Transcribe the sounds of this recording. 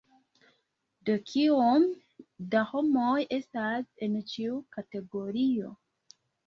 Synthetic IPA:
dokʰiom | daho̞moje̞stase̞nt͡ʃiukate̞ɡo̞ɾio̞

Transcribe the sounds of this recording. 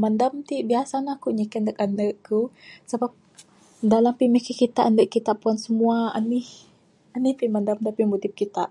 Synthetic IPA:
mandamt̪iʔbiasanakuɲəkandəkandəʔkusəbap̚ | dalampiməhkikit̪aʔandəʔkit̪aʔpuansəmuaa̰nih | anihpimandamt̪apimud̪ip̚kit̪aʔ

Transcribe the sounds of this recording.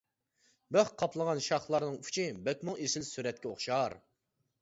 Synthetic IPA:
bøχqʰɑpʰlˠəʁɑnʃɑχlˠɑɾnɨŋʰy̥t͡ʃʰibɛt̪ʲmʊŋesɪlsyɾɛt̪̚kʲɛoχʃɑɾ

